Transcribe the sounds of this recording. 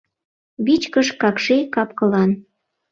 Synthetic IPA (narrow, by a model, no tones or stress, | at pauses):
βit͡ɕkəʃkɑkʃekɑpkɤ̆lɑn